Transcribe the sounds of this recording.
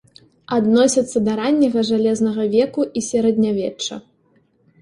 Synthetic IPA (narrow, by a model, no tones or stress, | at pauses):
ad̪nɔsʲɐt̪sːɐd̪ɐɾanʲːɐɣɐʐalʲɛznɐɣɐvʲɛkuʔisʲɛɾɛd̪ʲnʲavʲɛt͡ʂːɐ̰